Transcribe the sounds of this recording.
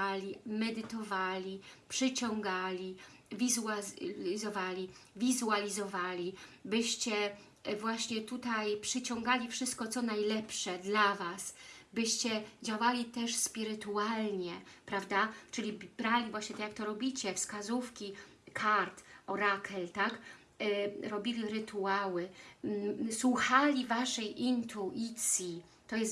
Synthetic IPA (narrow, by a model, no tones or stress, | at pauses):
lʲimɛd̪ɘt̪ɔvalʲipʂɘt͡ɕɔŋɡalʲi | vʲizuazɔvalʲivʲizualʲizɔvalʲibɘɕt͡ɕɛ | vwaɕɲɛt̪ut̪ajpʂɘt͡ɕɔŋɡalʲifʂɘst̪̚kɔt̪sɔnajlɛpʂɛd̪lavasbɘɕt͡ɕɛd͡ʑawalʲit̪ɛʂspʲiɾɘt̪ualɲɛpɾavd̪at͡ʂɘlʲibɾalʲivwaɕɲɛt̪ɛkjakt̪ɔɾɔbʲit͡ɕɛfskazufkʲi | kʰaɾt̪ɔɾakʰɛlt̪ak | ɾɔbʲilʲiɾɘt̪ʰuawɘ | swuxalʲivaʂɛjʔint̪ʰuʔit̪sʲji | t̪ɔjɛs